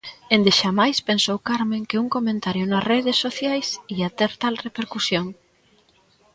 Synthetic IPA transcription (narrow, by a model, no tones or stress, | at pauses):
end̪ɪʃamajspensowkaɾmeŋkɪuŋkomẽnt̪aɾjʊnɐsreðesːoθjajsiɐt̪ɛɾt̪alrepeɾkusjoŋ